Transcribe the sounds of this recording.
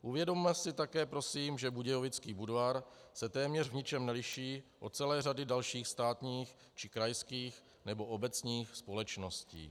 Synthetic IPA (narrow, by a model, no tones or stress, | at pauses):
ʔuvjɛdomːɛsɪt̪akɛːpɾo̞siːmʒɛbuɟɛjovɪt͡skiːbudvaɾsɛt̪ɛːmɲɛrvɲɪt͡ʃɛmnɛlɪʃiːʔot͡sɛlɛːradɪdalʃiːxst̪aːt̪ɲiːx | t͡ʃɪkɾajskiːx | nɛbo̞ʔobɛt͡sɲiːxspo̞lɛt͡ʃnoscḭː